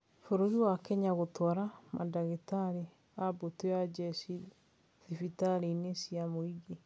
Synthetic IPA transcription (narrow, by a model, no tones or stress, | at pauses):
foɾoɾiwakɛɲaɣotwɔɾamʔa̰daɣetaɾe | abotojad͡ʒɛsi | ðifitaɾenesiamoiɡe